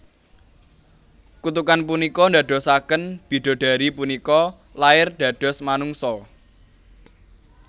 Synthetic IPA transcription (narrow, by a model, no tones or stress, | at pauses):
kut̪ukanpunikɔnd̪aɖ̥ɔ̤sakənb̥i̤ɖ̥ɔ̤ɖ̥a̤ɾipunikɔ | laɪrɖ̪̥ä̤ɖ̥ɔ̤smanuŋsɔ